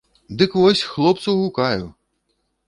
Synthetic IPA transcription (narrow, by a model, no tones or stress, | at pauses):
d̪ɨkʋɔsʲxlˠɔp̚t̪sɐwɦukajʊ